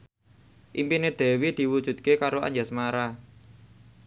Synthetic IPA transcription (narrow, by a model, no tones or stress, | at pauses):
ʔimpined̪̥ɛ̤wid̪̥i̤wud̥ʒ̥ṳt̪̚kekaɾoa̰ɲd͡ʒasmaɾa